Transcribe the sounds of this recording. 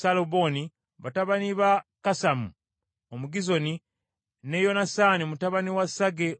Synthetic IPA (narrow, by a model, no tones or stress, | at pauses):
salobo̞ni | βataβaniβakasamu | omuɡizo̞ni | nejo̞nasaniomutaβaniwasaɡe